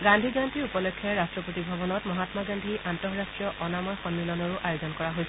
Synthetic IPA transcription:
ɡandʱiɡantiɹupɔlɔkʰːɛɹɹastɹɔpotibʱɔbɔnɔtmɔɦatmaɡandʱiʔantɔɦɹastɹijɔʔɔnamɔjxɔnːilɔnɔɹʊʔʔajozɔnkɔɹaɦojsɛ

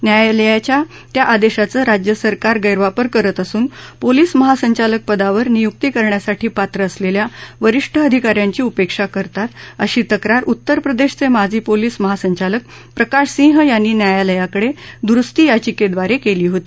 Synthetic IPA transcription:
njajaləjat͡ɕja | t̪jaʔad̪eɕat͡səːɾad͡ʑjəsəɾkaɾɡəjɾʋapəɾkəɾət̪əsuːnpoliːsməɦasəɲt͡ɕalək̚pəd̪aʋəɾnijuk̚t̪ikəɾɳjasaʈʰiːpat̪ɾəːsleljaʋəɾiʂʈʰəəd̪ʱikaɾjaɲt͡ɕiːupekʂakəɾt̪at̪əɕiːt̪əkɾaɾʔut̪ːəɾpɾəd̪eɕt͡semad͡zʱiːpoliːsməɦasəɲt͡ɕalək̚ | pɾəkaɕsĩɦjanːiːnjajaləjakəɽed̪ɾust̪iːjat͡ɕiked̪ʋaɾekeliːɦot̪i

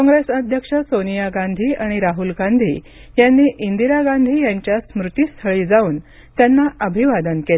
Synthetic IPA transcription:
kɔ̃ŋɡɾesəd̪ʱjəkʂəsonijaɡand̪ʱiːʔaɽ̃iɾaɦulɡand̪ʱḭ | janːiːʔind̪iɾaɡãnd̪ʱiːjaɲt͡ɕjasmɾut̪iːst̪ʰəɭiːd͡zauːn | t̪janːaʔəbʱiʋad̪ənkel

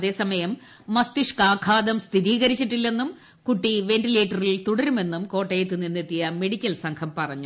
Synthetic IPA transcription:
ðe̞ːsɐmɐjɐmː | ɐst̪iʂkaːkʰaːd̪ɐmst̪ʰiɾiːɣɐɾit͡ɕːiʈːilːe̞nːum | kuʈːiʋe̞nʈileːʈːɐrilt̪uɽɐɾume̞nːumko̞ːʈːɐjet̪ːɨninːet̪ːijɐme̞ɽikʲːɐlsɐŋkʰɐmpɐrɐɲːu

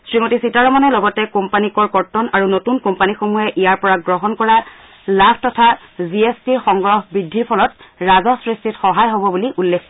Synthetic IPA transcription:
sɹimotisitaɹɔmɔnɔlɔɡɔtɛkompanikɔɹkɔɹtːɔnaɹunotunkompanixomujɛʔijaɹpɔɹaɡɹɔɦɔnkɔɹa | labʱtɔtʰaziestiɹxɔŋɡɹɔhbɹidʱːiɹpʰɔlɔtɹazɔsɹistʰitxɔɦajɦobɔbuliʔulːekʰ

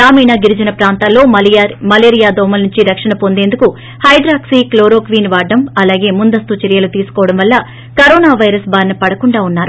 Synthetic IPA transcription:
ɾaːmiːnaːɡiɾid͡ʒɐnɐpɾaːnt̪aːlːo̞ːmɐleːɾijaːd̪ɔːmɐlnuɲt͡ʃiɾɐkʂɐɳɐpo̞nd̪e̞ːnd̪uku | hɐjɖ̪ɾaːksiːkloːɾoːkʋiːnʋaːɖːɐmɐlaːɡe̞ːmund̪ɐst̪ut͡ʃɐɾijɐlut̪iːsu̥kɔːʋɐɽɐmʋɐlːɐ | kɐɾoːnaːʋɐjɾɐsbʱaːɾnɐpɐɽɐkuɳɖaːunːaːɾu

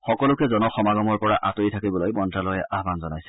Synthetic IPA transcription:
xɔkɔlʊkɛzɔnɔxɔmaɡɔmɔɹpɔɹaʔatoitʰakibɔlojmɔntɹalɔjɛʔaɦbanzɔnajsɛ̥

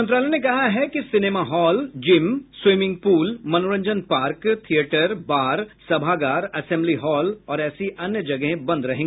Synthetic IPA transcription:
ənt̪ɾaːlɛnekɐɦaɦɛkisɪneːmaɦɔːld͡ʒɪmswɪmɪ̃ŋɡ̚puːlmɐnoːɾə̃ɲd͡ʒənpaːɾkt̪ʰieːʈəɾbaːɾsɐbʱaːɡaːɾɐsɛ̃ːmbliɦɔːlɔːɾɛːsiʔɐnjəd͡ʒɐɡəɦẽbɐ̃nd̪ɾɐɦẽːɡeː

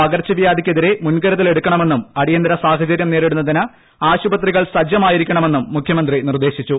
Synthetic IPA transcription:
ɐɣɐrt͡ɕːɐʋijaːd̪ikʲːeðiɾe̞munɡɐɾɐt̪ːile̞ɽukʲːɐɳɐme̞nːumɐɽijɐnd̪ɐɾɐsaːɦɐt͡ɕɐɾjɐmne̞ːɾiɽunːɐðinɐ | aːɕubɐt̪riɣɐɭsɐd͡ʑjɐmaːjiɾikʲːɐɳɐme̞nːumːukʰjɐmɐnd̪rinird̪e̞ːɕit͡ɕːu

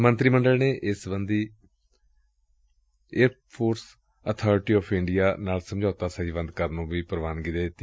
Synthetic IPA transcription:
mə̃nt̪ɾiːməɳɖəlneːʔɪsbənd̪iː | eːɾ | pʰoːɾs | ət̪ʰɔːɾʈiːɔːpʰɪ̃ɳɖijaːnaːlsəmd͡ʒaːʊt̪aːsəɦiːʋə̃nd̪kəɾnũːʋiːpəɾʋaːnɡɪid̪eːt̪ː

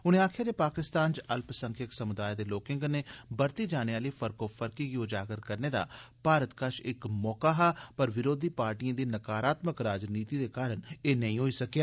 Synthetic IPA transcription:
ʊnẽːaːkʰjaːd̪eːpaːkɪst̪aːnt͡ʃəlpsə̃ŋkʰɪksəmʊd̪aːjd̪eːloːkɪ̃ŋɡneːbəɾt̪iːd͡ʒaːneaːliːfʰəɾkoːfʰəɾkiːɡioːd͡ʒaːɡəɾkəɾneːd̪a̰ːpaːɾət̪kəʃɪkmɔːkaːɦaːpəɾʋɪɾoːd̪ʱiːpaːɾʈijãːd̪iːnəkaːɾaːt̪məkɾaːd͡ʒniːt̪iːd̪eːkaːɾəɳeːnəɦĩːɦoːiːsəkjaː

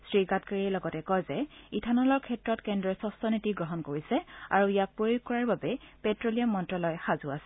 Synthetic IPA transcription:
sɹiɡatkaɹiɛlɔɡɔtɛkɔjzɛitʰanɔlɔɹkʰɛtɹɔtkɛndɹɔsɔstɔnitiɡɹɔɦɔnkoɹisɛa̰ɹuijak̚pɹojukːɔɹaɹbabɛpɛtɹoliamːɔntɹɔlɔjxazuasɛ

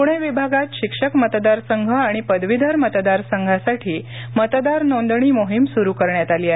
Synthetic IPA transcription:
puɽ̃eʋibʱaɡat̪ɕikʂəkmət̪d̪aɾsəŋɡʱəaɽ̃ipəd̪ʋid̪ʱaɾmət̪d̪aɾsəŋɡʱasaʈʰiː | mət̪d̪aɾnond̪ɳ̃iːmoɦimsuɾukəɾɳjat̪aliːaɦe

